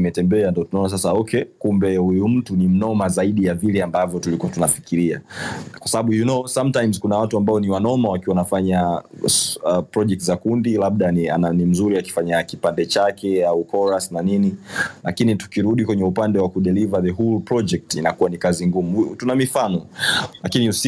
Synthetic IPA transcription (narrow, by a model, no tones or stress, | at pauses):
imɛtɛmbɛandɔtunaɔnas̬asaɔkʰɛkumbɛhujum̩tunim̩nɔmazaiɗijavilɛambavjɔtulikuwatunafi̥kiɾiakwasaɓaɓujunosamtajmzkunawatuambaɔniwanɔmawakiwanafaɲa | pɾɔd͡ʒɛk̚tzakundilaɓ̚ɗania̰nanim̩zuɾiaki̥faɲakipandɛt͡ʃakɛaukɔɾasnaninilakinitu̥kiɾuɗikwɛɲɛupandɛwakuɗɛlivaðəɦulpɾɔd͡ʒɛk̚tinakuwanikaziŋɡumutunamifanɔlakinius